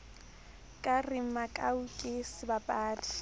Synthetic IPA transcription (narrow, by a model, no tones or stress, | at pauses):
kʼarɪm̩makʼaukʼɪsɪbapʼaːtʰi̥